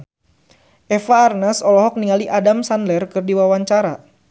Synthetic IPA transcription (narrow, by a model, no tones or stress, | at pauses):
ʔɛfaːrnasɔlɔɦɔk̚niŋaliʔadamsanlɛrkɨrdiwawaɲt͡ʃaɾa